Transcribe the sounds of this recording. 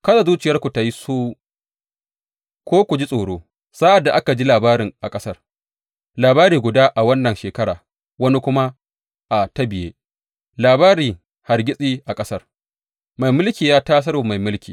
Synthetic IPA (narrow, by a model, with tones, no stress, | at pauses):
kɐ˦sa˨zuː˦t͡ʃɪ˨jɐ˦rkʷu˨ta˨ji˦suː˦ | kʷoː˦kʷu˨d͡ʒi˦sʼoː˨ɽoː˦ | sa˦ʔa˨dːa˨ʔa˦ka˨d͡ʒi˦laː˨baː˦ɾɪ˨ŋʔa˨kʼɐ˦sɐ˦r | laː˨baː˦ɾiː˨ɡʷʊ˨daː˦ʔa˨wɐ˦nːɐ˨nʃeː˨kɐ˦ɽa̰ː˨ | wɐ˦ni˦kʷʊ˦ma˦ | ʔa˨tɐ˦bɪ˨jeː˦ | laː˨baː˦ɾiː˨ | ha˨rɡʲɪ˦sʼiː˦ʔa˨kʼɐ˦sɐ˦r | ma˨jmʊ˦lkʲiː˨jaː˦taː˦s̬ɐ˦ɾoː˨ma˨jmʊ˦lkʲʰiː˨